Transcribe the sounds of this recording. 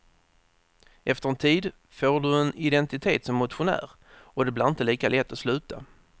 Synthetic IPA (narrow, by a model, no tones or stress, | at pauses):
ʔɛft̪əɾɛnt̪ʰiːd̪ | foːɖɵɛnɪd̪ɛnt̪ɪt̪ʰḛːt̪sɔmːʊt̪ɧʊnæ̰ːɾ | ɔd̪ɛblɪɾɪnt̪əliːkalɛt̪ːɔslʉ̟ːt̪a̰